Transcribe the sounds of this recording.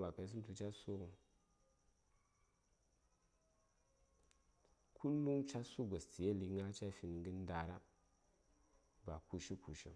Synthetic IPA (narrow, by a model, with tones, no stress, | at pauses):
la˨ka˨s̬i˦n˦tu˨t͡ʃa˦su˦ɡu˨ | kʰu˦lːu˦ŋt͡ʃa˦su˦ɡa˨sti˨je˦li˨˦ŋa˦t͡ʃa˦fi˨n˨ŋɡə˦n˦da˨ɾa˦ | ba˨ku˨ʃi˦ku˨ʃḭ˦